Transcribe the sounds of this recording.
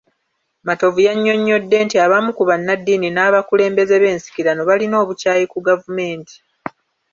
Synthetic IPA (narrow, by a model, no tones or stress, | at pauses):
mato̞vujaɲːo̞ɲːo̞dːe̞ːntiaβamukuβanːadːiːninaːβakule̞ːmbe̞ze̞βe̞ːnsi̥kiɾanoβalino̞ːβucaːjekuɡavume̞ːnti̥